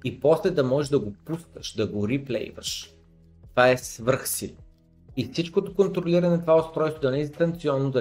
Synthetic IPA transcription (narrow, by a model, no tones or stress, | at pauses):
ipɔslɛd̪ɐmɔʒɛʒd̪ɐɡopusk̪əʃd̪ɐɡoɾiplɛ̰jvə̰ʃ | t̪ovaɛsvɤɾxsil | ifsit͡ʃkot̪okont̪ɾoliɾɐnɛt̪ovaʊst̪ɾɔjst̪od̪ɐnɛt̪ɐnkt̪siɔnːod̪ɐ